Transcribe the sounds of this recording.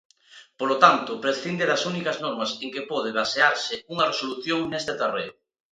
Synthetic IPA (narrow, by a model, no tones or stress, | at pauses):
polot̪ant̪ʊpɾeθind̪eðɐsunikɐznɔɾmɐseŋkepɔð̞eβ̞aseaɾsɪuŋɐresoluθjoŋnest̪et̪ereʊ